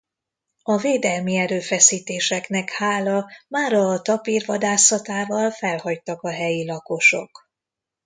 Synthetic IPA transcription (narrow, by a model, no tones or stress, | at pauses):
ɒveːd̪ɛlmiɛɾøːfɛsiːt̪eːʃɛknɛkhaːlɒmaːɾɒt̪ɒpiːrvɒd̪aːsɒt̪aːvɒlfɛlhɒct̪ɒkɒɦɛjilɒko̞ʃo̞k